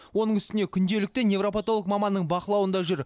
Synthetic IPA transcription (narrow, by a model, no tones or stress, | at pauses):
wo̞nəɴʏst̪ɪne̞kʲʰʏnd̪e̞lɪk̚t̪ɪnje̞vropat̪olˠək̚mɑmɑnːəɴbɑqəlˠɑwənd̪ɑʒʏɾ